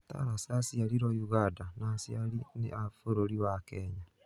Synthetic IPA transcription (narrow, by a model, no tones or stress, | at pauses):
ta̰ɾasasiaɾiɾɔjuɣadanasjaɾinḛʔafoɾoɾiwakɛːɲa